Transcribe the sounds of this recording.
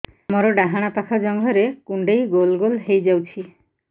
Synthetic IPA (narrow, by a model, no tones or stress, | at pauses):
mɔɾɔɖaɦaɽ̃apakʰɔd͡ʒɔŋɡʱɔɾekuɳɖejɡolɡolɦejd͡ʒawt͡ʃʰi